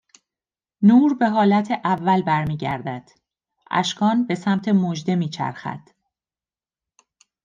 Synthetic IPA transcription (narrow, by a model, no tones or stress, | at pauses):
nuːɾbe̞ɦɒːlæt̪ʰeʔævːælbæɾmiːɟæ̰ɾd̪æd̪̥ | ʔæ̰ʃkʰɒːnbe̞sæmt̪ʰe̞mod͡ʒd̪e̞miːt͡ʃʰæ̰ɾxæ̰d̪̥